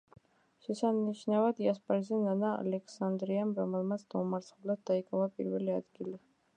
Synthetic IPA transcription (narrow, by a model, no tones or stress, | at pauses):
ʃɛsaniʃnavad̪iaspʼaɾizɛnanaa̰lɛkʰsand̪ɾiamɾɔmɛlˠmat̪sʰd̪̥aumaɾt̪sʰχulad̪̚d̪aikʼavapʼḭɾvɛliad̪ɡili